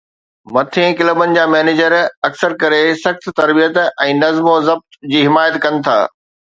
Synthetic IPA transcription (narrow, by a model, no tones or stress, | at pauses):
mɐt̪ʰẽkɪləbənɪ̆d͡ʑaːmɛːneːd͡ʑəɾɐksəɾkɐɾesɐxt̪t̪ɐɾbijət̪ɛ̃ːnɐzmozɐb̚t̪d͡ʑiːɦɪmaːjət̪kɐnɪ̆t̪ʰa̰ː